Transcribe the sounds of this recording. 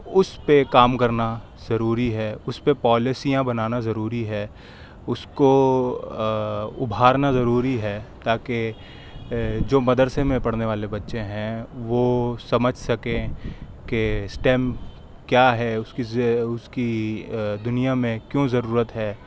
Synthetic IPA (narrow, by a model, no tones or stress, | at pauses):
ʊspekaːmkɐɾna | z̥ɐɾuːɾiɦɛːʊspepɔːlɪsijãbɐnaːnazɐɾuːɾiɦɛː | ʊsko | ʊbʱaːɾnazɐɾuːɾiɦɛːt̪aːke | d͡ʒoːmɐd̪əɾsemẽpɐɽ̤neʋaːlebɐtːʃẽɦɛ̃ʋosɐməd͡ʒʱsɐkẽ | kesʈɛːm | kjaːɦɛʊskiʊski | d̪ʊnijamẽkjõːzɐɾuːɾət̪ɦɛː